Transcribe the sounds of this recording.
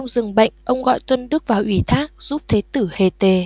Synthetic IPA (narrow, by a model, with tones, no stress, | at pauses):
wŋ͡mzɨ˨˩ŋɓə̰˧˨jŋ̟ʔə˧wŋ͡mɣɔ̰˧˨jt̪wə˧nɗɨ˦˥ək̚vaː˨˩wʔi˧˩t̪ʰaː˦˥k̚z̥u˦˥p̚t̪ʰe˨˦t̪ɨ˧˩he˨˩t̪e˨˩